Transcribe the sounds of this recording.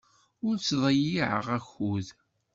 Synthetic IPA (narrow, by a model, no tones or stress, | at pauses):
ʊɾt͡sːðˤɑjiʕə̰ʁæçuð